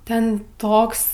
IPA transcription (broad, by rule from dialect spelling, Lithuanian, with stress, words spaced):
ˈtʲɛn ˈtoːks